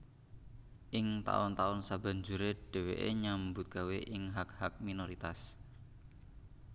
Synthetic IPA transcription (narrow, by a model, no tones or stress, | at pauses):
ʔɪŋt̪a̰ʊnt̪aʊnsaba̤ɲd͡ʒuɾeɖ̥ɛ̤wḛʔḛɲambʊt̪̚ɡ̥a̤weʔɪŋɦak̚hak̚minoɾit̪as